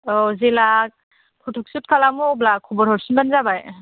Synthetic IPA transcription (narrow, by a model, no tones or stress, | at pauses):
ɔzelak̚ | pʰutʰuk̚sut̚kʰalamublakʰɔbɔɾhɔɾsunbanzabaj